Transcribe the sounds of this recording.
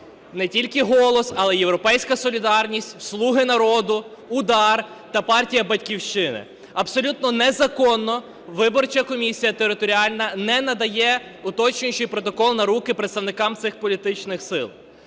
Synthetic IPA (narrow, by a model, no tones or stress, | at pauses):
nɛtʲilʲkɪɦɔlˠɔsɐlˠɛjewɾɔpɛjsʲkɐsɔlʲid̪ɑrnʲisʲtʲwslˠuɦɪnɐɾɔd̪ʊ | ʊd̪ɑr | t̪ɐpɑrtʲijɐbɐt̚ʲkʲiwʃt͡ʃɪnɪ̰ | ɐpsɔlʲut̪nɔnɛzɐkɔnːɔ | ʋɪbɔrt͡ʃɐkɔmʲisʲijɐt̪eɾɪt̪ɔɾʲiɑlʲnɐnɛnɐd̪ɐjɛʊt̪ɔt͡ʃnʲɪt͡ʃɪjpɾɔt̪ɔkɔlˠnɐɾukɪpɾet̪st̪ɐwnɪkɑmt̪sɪxpɔlʲit̪ɪt͡ʃnɪxsɪ̰lˠ